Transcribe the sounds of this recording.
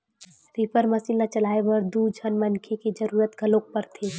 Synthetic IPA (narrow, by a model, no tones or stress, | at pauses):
ɾipəɾmɐsilnat͡ʃɐlaːebəɾd̪ud͡ʒʱənmənkʰeked͡ʒɐɾuːɾət̪ɡʱɐlok̚pəɾt̪ʰeː